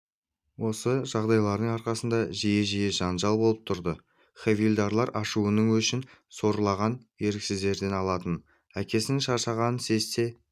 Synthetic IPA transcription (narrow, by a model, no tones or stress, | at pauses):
wo̞səʒɑʁd̪ɑjlˠɑɾd̪əɴɑɾqɑsənd̪ɑʒije̞ʒijeʒɑnʒɑlˠbo̞lˠəp̚t̪ʰʊɾd̪ə | χevʲilʲd̪aɾlˠɑɾʔɑʃuənəɴwɵʃɪnso̞ɾəlˠɑʁɑnje̞ɾɪksɪzd̪e̞ɾd̪e̞nɑlˠɑt̪ən | ækʲe̞sɪŋʃɑɾʃɑʁɑnənse̞st̪e̞